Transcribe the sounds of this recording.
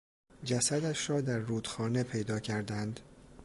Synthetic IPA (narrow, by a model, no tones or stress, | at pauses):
d͡ʒæsæd̪æʃrɒːd̪æɾːuːd̪xɒːne̞pʰe̞jd̪ɒːcʰæɾd̪ænd̪